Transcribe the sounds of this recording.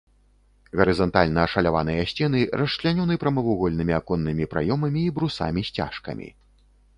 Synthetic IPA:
ɣɐɾɨzɐnt̪alʲnɐːʂɐlʲavanɐjɐasʲt͡sʲɛnɨrɐʂt͡ʂlʲanʲɔnɨpɾɐmɐvuɣɔlʲnɨmʲiakɔnːɨmʲipɾa̰jɔmɐmʲiːbɾusa̰mʲisʲt͡sʲa̰ʂkɐ̰mʲḭ

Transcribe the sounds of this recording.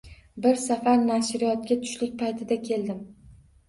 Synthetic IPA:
bɪɾsafaɾnaʃɾɪjɒt̪̚ɡʲat̪ʰʊ̥ʃlɪk̚ʲpʰajt̪ʰɪd̪akʲʰe̞ld̪ɪm

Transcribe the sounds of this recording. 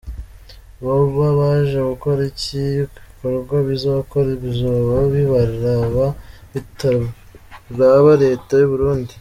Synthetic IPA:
βauβaβaːʒaɡuko̞ɾiciikoɾɡwaβizaβkoɾiβizoβaβiβaɾɾaβa | ita | ɾaβaɾe̞ːtajuβuɾuːndi

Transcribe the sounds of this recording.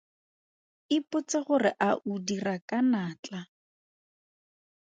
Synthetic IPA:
ɪpʊt͡saχʊrɪʔaʔudirakʼanaːt͡ɬa

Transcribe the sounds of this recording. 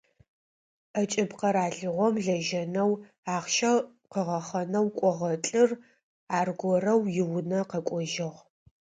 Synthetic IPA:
ɐt͡ʃʼɪbqɐɾaːɮɨʁʷɔmɮɐʒɐnɐw | aːχʃɐ | qəʁɐχɐnɐwkʷʼɔʁɐt͡ɬʼɨr | aːrɡʷɔrɐwjɪwʊnɐqɐkʷʼɔʒɪʁʷ

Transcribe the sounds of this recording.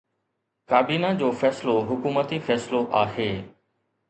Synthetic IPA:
kaːbiːnãd͡ʑoːfɛːsloɦʊkuːmət̪ifɛːsloʔaːɦeː

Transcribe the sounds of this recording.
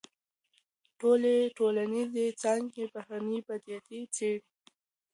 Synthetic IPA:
ʈoleʈolanizet͡sɑŋɡebahanibad̪ijat̪it͡seɽi

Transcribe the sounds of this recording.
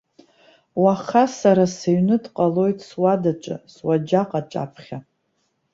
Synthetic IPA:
waχasaɾaseɥnɨdqʼalo̞jtʰʼswadat͡ʃʷʼɨ̰swad͡ʒaqʼat͡ʃʷʼa̰pʰχʲa

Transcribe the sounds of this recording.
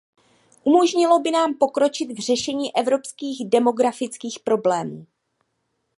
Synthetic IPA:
ʔumo̞ʒɲɪlo̞bɪnaːmpo̞kɾo̞t͡ʃɪt̪vr̝ɛʃɛɲiːʔɛvɾo̞pskiːɣdɛmo̞ɡɾafɪt͡skiːxpɾo̞blɛːmuː

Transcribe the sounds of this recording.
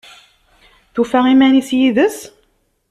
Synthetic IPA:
θufæʁimænisjiðəs

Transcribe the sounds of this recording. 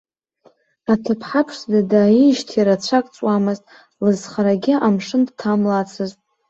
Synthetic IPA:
atʰɨpʰħapʰʂdadaːiʃtʰjiɾat͡ɕʷʰakʼt͡sʼwamɨztʼ | lɨzχaɾaɡʲɪamʂɨndtʰamlat͡sʰɨztʼ

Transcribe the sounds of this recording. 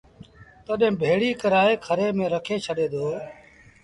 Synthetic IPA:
t̪oːɗɦẽːbʱeːɽiːkəɾaːeːkʰəɾeːmẽːɾəkʰeːt͡ʃʰəɗeːd̪oː

